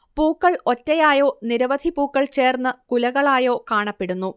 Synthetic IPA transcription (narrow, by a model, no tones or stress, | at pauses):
puːkːɐɭotːɐjaːjo̞ːniɾɐʋɐd̪ʱipuːkːɐɭt͡ɕe̞ːrnːɨkulɐɣɐɭaːjo̞ːkaːɳɐpːeɽunːu